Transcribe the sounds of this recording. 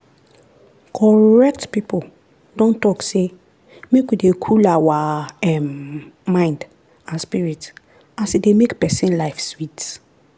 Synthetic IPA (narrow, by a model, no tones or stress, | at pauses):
kʰɔɹɛk̚tpipo | dɔ̃ntɔkse | mekwidekʰulawaɛmːãɪ̃nd | ãspiɹit | ãsedemekpɛsĩnlaɪfswit